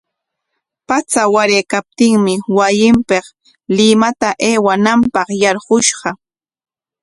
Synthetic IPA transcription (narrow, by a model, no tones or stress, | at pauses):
pat͡sawaɾeːkap̚t̪ɪŋmɪwajɪmpeχ | lɪmat̪aʔeːwanampɑχjɑɾɢʊʃɢɑ